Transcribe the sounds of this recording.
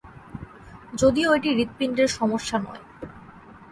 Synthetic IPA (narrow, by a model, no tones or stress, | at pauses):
d͡ʑod̪ioeʈiɾit̪̚piɳɖeɾʃɔmoʃːanɔ̰e